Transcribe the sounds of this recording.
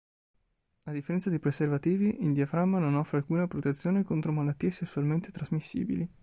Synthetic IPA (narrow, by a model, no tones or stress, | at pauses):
ad̪ifːeɾɛnt̪sad̪ijpɾeservat̪iːviʔild̪jafɾamːanonɔfːɾealkuːnapɾot̪et̪sːjoːnekont̪ɾomalat̪ːiːesesːualment̪e̥t̪ɾazmisːḭːbili